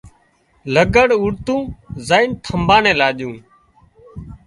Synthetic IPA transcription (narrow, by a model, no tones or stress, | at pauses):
ləɡəɽʊɽt̪ũːzaːiːnt̪ʰəmbaːnẽːlaːɗjũː